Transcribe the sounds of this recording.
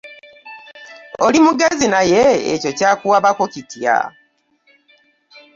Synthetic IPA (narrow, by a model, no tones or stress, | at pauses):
olimuɡe̞zinajḛːco̞caːkuwaβakocitja̰